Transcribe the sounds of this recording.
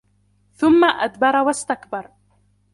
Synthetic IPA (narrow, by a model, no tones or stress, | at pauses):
θʊmːaʔad̪bɑɾˤwast̪akbɑɾˤ